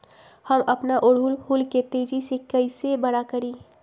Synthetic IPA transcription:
həmɐpnaʔʊɽuːlʰuːlket̪ed͡ʒisekəɪsebɐɽakəɾiː

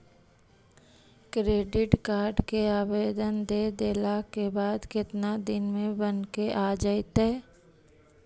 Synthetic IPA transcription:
kɾeːɖɪʈkaːɾɖkeaːbeːd̪ənd̪ed̪eːlakebaːd̪kɪt̪nad̪ɪnmẽbənkeʔaːd͡ʒaet̪ɦɛː

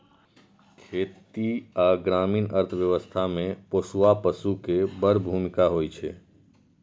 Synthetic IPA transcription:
kʰeːt̪iaːɡɾaːmiːnəɾt̪ʰʋjəʋəst̪ʰamẽpoːsuapəsukebəɾbʱuːmɪkaɦoːit͡ʃʰeː

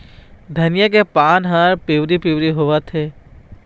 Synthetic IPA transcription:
d̪ʱənijak̬epaːnɦaɾpiwɾipiwɾiɦoʋat̪ʰe

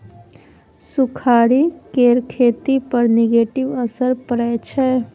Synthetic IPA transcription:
sukʰaɾikeɾkʰet̪ipəɾneɡeʈiʋəsəɾpəɾɛt͡ʃʰɛ

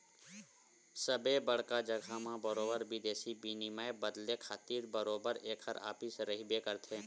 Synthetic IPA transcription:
səbebɐɽ̤kad͡ʒəɡʱamãbəɾoːbəɾbid̪eːsibinimaebəd̪lekʰaːt̪iːɾbəɾoːbəɾeːkʰəɾa̰ːpɪsɾɐɦibeːkəɾt̪ʰeː

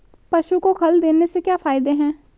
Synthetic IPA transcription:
pɐʃukokʰɐld̪eːnesekjaːfʰaːɪd̪eɦɛ̃ː

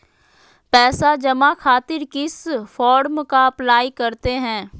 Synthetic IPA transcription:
pɛːsad͡ʒɐmakʰaːt̪ɪɾkɪsfɔːɾmkaɐplaːikɐɾt̪eɦɛ̃ː

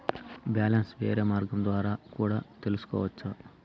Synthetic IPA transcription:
bjaːlɐnsʋḛːɾeːmaːɾɡɐmd̪ʋaːɾaːkuːɽaːt̪elusu̥kɔ̰ːʋɐt͡ʃːsɐ

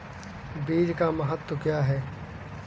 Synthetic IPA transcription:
biːd͡ʒkamɐɦət̪ːwkjaːɦɛː

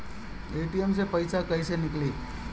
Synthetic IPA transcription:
eʈiemt͡sepəjsakəjsenikliː

